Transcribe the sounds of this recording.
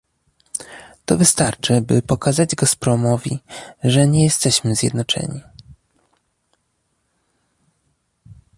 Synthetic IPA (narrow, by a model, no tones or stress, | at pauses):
t̪ɔvɘst̪aɾt͡ʂɘbɘpɔkazad͡ʑɡaspɾɔmɔvʲḭʐɛɲɛjɛst̪ɛɕmɘzʲjɛ̰d̪nɔt͡ʂɛ̰ɲi